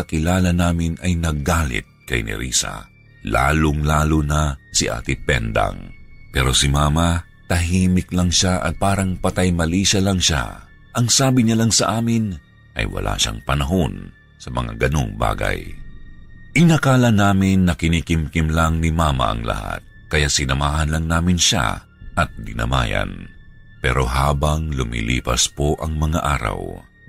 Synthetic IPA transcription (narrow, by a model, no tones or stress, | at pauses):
ɐkɪlaːlɐnaːmɪnɐjnɐɡaːlɪ̰t̪̚kɐjnɪ̰ɾʔḭːsɐ̰ | la̰ːloŋlaːlonɐsɪʔa̰ːt̪ɪpɛnd̪ɐ̰ŋpɛːɾo̞sɪmaːmɐ | t̪ɐɦiːmɪklɐŋʃaʔɐ̰t̪̚paːɾɐŋpɐt̪ajmɐliːʃɐlɐŋʃa̰ | ʔɐŋsaːbɪɲɐlaŋsɐʔaːmɪn | ʔɐ̰jwɐ̰lʔa̰ːʃa̰ŋpɐnɐɦo̞n | sɐmɐ̰ŋa̰ɡɐno̞̰ŋba̰ːɡɐj | ʔɪnɐkaːlɐnaːmɪnːɐkɪniːkɪmkɪmlaŋnɪmaːmɐ̰ʔɐ̰ŋlɐ̰ha̰t̪̚ | kɐjasɪnɐmaːhɐnlɐŋnaːmɪnʃa̰ | ʔɐt̪̚d̪ɪnɐ̰ma̰ːjɐ̰n | pɛ̰ɾo̞ɦaːbɐŋlʊmḭlḭːpɐspo̞ʔɐŋmɐŋaʔaːɾɐ̰w